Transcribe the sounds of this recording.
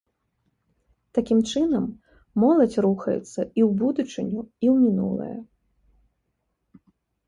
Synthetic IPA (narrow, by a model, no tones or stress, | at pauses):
t̪akʲimt͡ʂɨnɐmː | ɔlˠɐt͡sʲruxɐjɛ̰t̪sːɐiwbud̪ut͡ʂɨnʲuiwmʲinṵlˠɐ̰jɐ̰